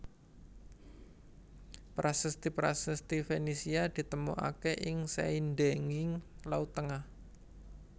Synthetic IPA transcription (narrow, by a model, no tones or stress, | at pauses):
pɾasəst̪ipɾasəst̪ifenisiad̪̥i̤t̪əmṵʔa̰kɛʔɪŋsa̰indeŋɪŋlaut̪əŋah